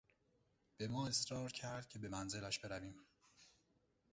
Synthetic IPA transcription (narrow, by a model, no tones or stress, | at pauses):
b̥e̞mɒːe̞sɾɒːɾcʰæɾd̪̥̚cʰe̞be̞mænze̞læʃb̥e̞ɾæviːm